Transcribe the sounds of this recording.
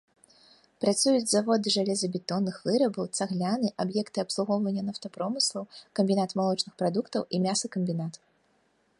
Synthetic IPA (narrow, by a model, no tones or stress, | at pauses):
pɾat̪sujud͡zʲzavɔd̪ɨʐalʲɛzɐbʲɛt̪ɔnːɨxvɨɾɐbɐwt̪saɣlʲanɨʔabjɛkt̪ɨɐpslˠuɣɔwvɐnʲːɐnɐwt̪ɐpɾɔmɨslˠɐwkɐmʲbʲinat̪malˠɔt͡ʂnɨxpɾad̪ukt̪ɐwʔimʲasɐkɐmʲbʲinat̪